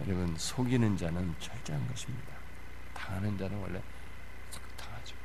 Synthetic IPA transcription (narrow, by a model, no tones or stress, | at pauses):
jʌ̰ɾɯbɯnsʰoɡinɯnd͡ʑanɯnt͡ɕʰʌɭt͡ɕ͈eɦanɡʌɕʰimɲid̥a | tanɯnd͡ʑanɯnwʌ̰ɭːḛ | s͈ʰʌ̥ktʰaad͡ʑo